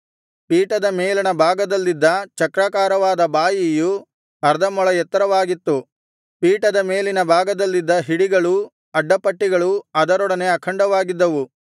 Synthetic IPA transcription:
piːʈɐd̪ɐmeːlɐnɐbʱaːɡɐd̪ɐlːid̪ːɐt͡ʃɐkɾaːkaːɾɐʋaːd̪ɐbaːjiju | ɐɾd̪ʱɐmɔɭɐjɛt̪ːɐɾɐʋaːɡit̪ːu | piːʈɐd̪ɐme̞ːlinɐbʱaːɡɐd̪ɐlːid̪ːɐɦiɽiɡɐɭu | ɐɖːɐpɐʈːiɡɐɭuɐd̪ɐɾɔɽɐne̞ɐkʰɐɳɖɐʋaːɡid̪ːɐʋu

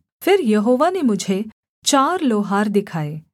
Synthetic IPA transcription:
fʰɪɾjəɦoʋanemʊd͡ʒʱe | t͡ʃaɾloɦaɾd̪ɪkʰaːe

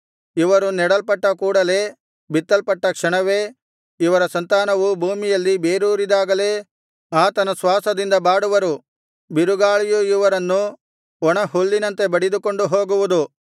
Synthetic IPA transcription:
iʋɐɾunɛɽɐlpɐʈːɐkuːɽɐle̞ː | bit̪ːɐlpɐʈːɐkʂɐɳɐʋe̞ː | iʋɐɾɐsɐnt̪aːnɐʋubʱuːmijɐlːibe̞ːɾuːɾid̪aːɡɐle̞ː | aːt̪ɐnɐsʋaːsɐd̪ind̪ɐbaːɽuʋɐɾu | biɾuɡaːɭijuiʋɐɾɐnːu | ɔɳɐɦuɭːinɐnt̪e̞bɐɽid̪uko̞ɳɖuɦo̞ːɡuʋud̪u

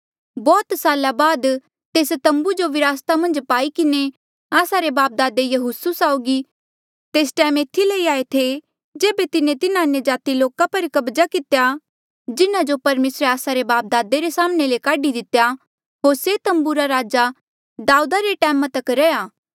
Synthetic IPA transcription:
bɔːt̪saːlabaːd̪ | t̪eːst̪ɐ̃mbud͡ʒoʋɪɾaːst̪amɐ̃nd͡ʒpaːikɪne | aːsaɾebaːp̚d̪aːd̪ejɐɦʊsusaːʊɡi | t̪eːsʈɛːmeːt̪ʰːilɐiaːet̪ʰe | d͡ʒeːbet̪ɪnẽt̪ɪnãɐnjad͡ʒaːt̪iloːkapɐɾkɐbd͡ʒakɪt̪eja | d͡ʒɪnad͡ʒopɐɾmeːsɾeaːsaɾebaːp̚d̪aːd̪eɾesaːmnelekaːɖid̪ɪt̪ja | ɦoːɾset̪ɐ̃mbuɾaɾaːd͡ʒa | d̪aːuːd̪aɾeʈɛːmãt̪ɐkɾɛjaː

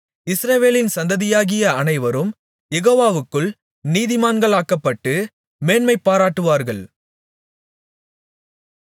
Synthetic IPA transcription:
ɪsɾɐʋeːlɪnsɐnd̪ɐðɪjaːɣɪjɐɐnɐɪʋɐɾɯm | jɛɣoːʋaːʋɯkːɯɭ | niːðɪmaːnɡɐɭaːkːɐpːɐʈːɯ | meːnmɐɪpːaːɾaːʈːɯʋaːɾɣɐɭ

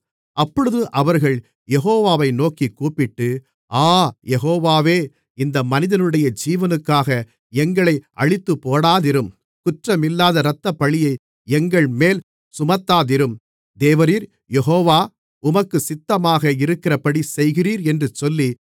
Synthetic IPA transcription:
ʔɐpːɔɻɯðɯʔɐʋɐɾɣɐɭ | jɛɣoːʋaːʋɐɪnoːkikːuːpɪʈːɯ | ʔaːjɛɣoːʋaːʋeː | ɪnd̪ɐmɐnɪðɐnɯɽɐjɐd͡ʒiːʋɐnɯkːaːɣɐ | ɛŋɡɐɭɐɪʔɐɻɪt̪ːɯpːoːɽaːðɪɾɯm | kʊʈrɐmɪlːaːðɐɾɐt̪ːɐpːɐɭɪjɐɪ | ɛŋɡɐɭmeːl | sʊmɐt̪ːaːðɪɾɯm | d̪eːʋɐɾiːɾ | jɛɦoːʋaː | ʊmɐkːɯsɪt̪ːɐmaːɣɐɪɾɯkːɪrɐpɐɽisɛjɣɪriːɾɛndrɯt͡ʃɔlːi

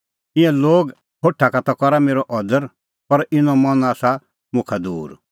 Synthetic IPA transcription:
ɪ̃ɛ̃loːɡ | hʰoʈʰːakat̪ɔkɔɾameːɾɔʔɔd̪əɾ | pɐɾɪnɔ̃mɔnaːsa | mʊ̃kʰad̪uːɾ

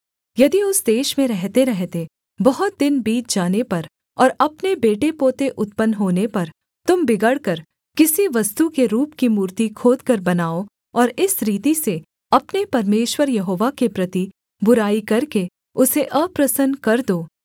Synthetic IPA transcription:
jɐd̪iʊsd̪eːʃmẽɾɛɦt̪eɾɛɦt̪e | bɐɦʊt̪̚d̪ɪnbiːt͡ʃd͡ʒaːnepɐɾ | ɔːɾɐpnebeːʈepoːt̪eʔʊt̪̚pənɦoːnepɐɾ | t̪ʊmbɪɡəɽkɐɾ | kɪsiʋɐst̪ukeɾuːpkimuːɾt̪ikʰoːd̪kɐɾbɐnaːo | ɔːɾɪsɾiːt̪ise | ɐpnepɐɾmeːʃwəɾjɐɦoːʋakepɾɐt̪i | bʊɾaːikɐɾke | ʊseʔɐpɾɐsənkɐɾd̪oː

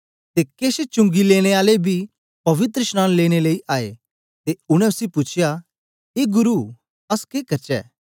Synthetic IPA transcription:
t̪ekeːset͡ʃʊ̃ŋɡileːɽ̃eaːlebʱi | pɐʋɪt̪ɾəsnãːnleːɽ̃eleːiʔaːḛ | t̪eʊɽ̃ɛ̃ʊsipʊt͡ʃʰɪja | eːɡʊɾu | ɐskeːkɐɾt͡ʃɛ̰ː

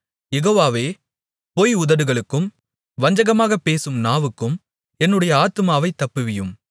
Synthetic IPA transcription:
jɛɣoːʋaːʋeː | poːjʊðɐɾɯɣɐɭɯkːɯm | ʋɐɲd͡ʒɐɣɐmaːɣɐpːeːsɯmnaːʋɯkːɯm | ɛnːɯɽɐjɐaːt̪ɯmaːʋɐɪt̪ːɐpːɯʋɪjɯm

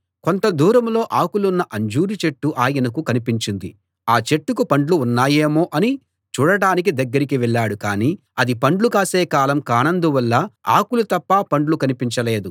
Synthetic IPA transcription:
ko̞nt̪ɐd̪uːɾɐmlo̞ːʔaːkulunːɐʔɐɲd͡ʒuːɾit͡ʃe̞ʈːuʔaːjɐnɐkukɐnipiɲt͡ʃind̪ḭ | aːt͡ʃe̞ʈːukupɐɳɖluːnːaːjeːmo̞ːʔɐni | t͡ʃuːɽɐɽaːnik̬id̪ɐɡːɐɾikiʋɛɭːaːɽukaːniː | ɐd̪ipɐɳɖlukaːseːkaːlɐmkaːnɐnd̪uʋɐlːɐa̰ːkulut̪ɐpːaːpɐɳɖlukɐnipiɲt͡ʃɐle̞ːd̪u

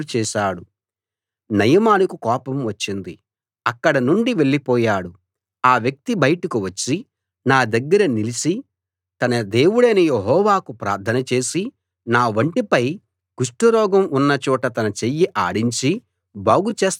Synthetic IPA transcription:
t͡ʃɛːʃaːɽu | nɐjɐmaːlɐkukɔːpɐmʋɐt͡ʃːind̪i | ɐkːɐɽɐnuɳɖiʋe̞ɭːipɔːjaːɽu | aːʋjɐk̚t̪ibɐjʈɐkuʋɐt͡ʃːi | naːd̪ɐɡːɐɾɐnilisi | t̪ɐnɐd̪e̞ːwuɽeːnɐjeɦɔːʋaːkupɾa̰ːɾt̪ʰɐnɐt͡ʃe̞ːsi | naːʋɐɳʈipɐj | ɡ̥uʂʈuɾɔːɡɐmunːɐt͡ʃɔːʈɐt̪ɐnɐt͡ʃejːiʔaːɽiɲt͡ʃi | baːɡut͡ʃeːs

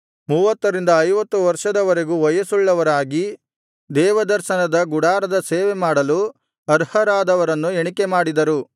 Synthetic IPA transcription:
muːʋɐt̪ːɐɾind̪ɐːjʋɐt̪ːuʋɐɾʂɐd̪ɐʋɐɾe̞ɡuːʋɐjɐsuɭːɐʋɐɾaːɡi | d̪ɛːʋɐd̪ɐɾʃɐnɐd̪ɐɡuɽaːɾɐd̪ɐseːʋemaːɽɐlu | ɐɾhɐɾaːd̪ɐʋɐɾɐnːueɳikemaːɽid̪ɐɾu

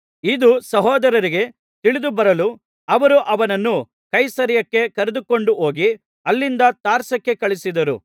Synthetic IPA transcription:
id̪usɐɦɔːd̪ɐɾɐɾiɡe̞ | t̪iɭid̪ubɐɾɐlu | ɐʋɐɾuʔɐʋɐnɐnːu | kɐjsɐɾjɐkːe̞kɐɾed̪uko̞ɳɖuɦoːɡi | ɐlːind̪ɐt̪aːɾsɐkːe̞kɐɭisid̪ɐɾṵ

